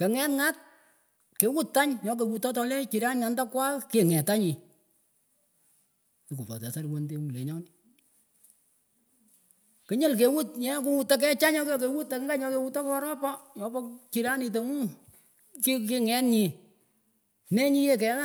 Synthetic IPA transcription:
ke˨ŋɛ˦tŋa˦t̚ | ke˨wu˦tːa˦ɲɲɔ˨k̬e˨wu˨tɔ˦tɔ˨˧le˦t͡ʃi˨ɾa˦nɪ˨a˨nda˦kwa˦ke˨ŋɛ˨ta˦ɲi˨ | ki˨ku˨pɔ̰˨tɛ̰˨sa˦ɾwo˨nde˦wu˨le˨ɲɔ˦nɪ | kɪ˨˦ɲɪ˦lk̬e˨wu˦tɲɛ˦k̬u˦wu˨˧tːa˦k̬ɛ˦t͡ʃa˦ɲɔ˦kɔ˨k̬e˨wu˦tːa˨ŋɡa˦ɲɔ˦ke˨wu˧tɔ˦kɔ˦ɾɔ˦pɔ˦jɔ˦pɔ˦t͡ʃi˨ɾa˦nɪ˨t̬o˨mu˦ | ki˦kɪ˦ŋɛ˨˦tɲi˨ | ne˦ɲi˦je˦˨kɛ˨˦ŋa˦

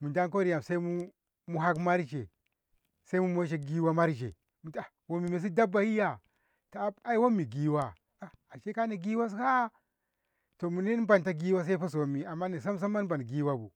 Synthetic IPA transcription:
mu˨nda˦ŋk̬o˦ɾi˦ja˨msa˦i˦mu˦ | mu˦ɦa˦kma˦ɾd͡ʒe˨ | sa˦i˦mu˦mo˦ʃ̬e˦ɡi˦wa˦ma˦ɾd͡ʒḛ˨ | mu˨ta˨ | wo˨mi˨me˨s̬i˦da˦ba˨hi˦ja˨ | to˨˦a˦i˦wo˦mːi˨ɡi˦wa˦ | a˨a˨ʃe˦ka˦na˨ɡi˦wa˦s̬ka˦ | to˨mu˨ne˦n˦ba˨nta˦ɡi˦wa˦s̬a˦i˦fa˦s̬o˨mi˨a˨mːa˦ni˨s̬a˦m˦s̬a˦mːa˦n˦ba˨n˨ɡi˦wa˦bu˨

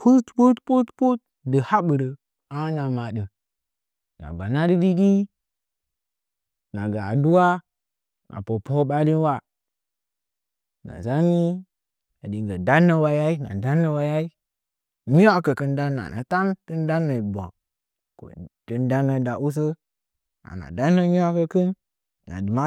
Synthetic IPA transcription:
pʰu˦tpu˦tpu˦tpu˦t̚ | də˨ha˦ɓɨ˨ɾə˨ | a˦na˨ma˨də˨ | na̰˨ba˨na˦də˦li˦ɡi˦ | na˨ɡa˨du˦wa˦ | na̰˨po˨po˦ɓa˦li˦n˦wa˦ | na̰˨za˦ni˦ | a˨di˨ŋ˨ɡə˨da˦nːə˦wa˦ja˦i˦na̰˨da˦nːə˦wa˦ja˦i˦ | ɲi˦wa˦kə˨kɨ˦nda˦nːa̰˨na̰˨ta˦ntɨ˦n˦da˦nːə˨bo̰˨ | ko̰˨tə˦nda˦nːə˨da˨ʔu˦s̬ə˦ | na̰˨na̰˨da˦nːə˦ɲi˦a˦kə˦kɨ˦nː | a̰˨dɨ˨ma˦

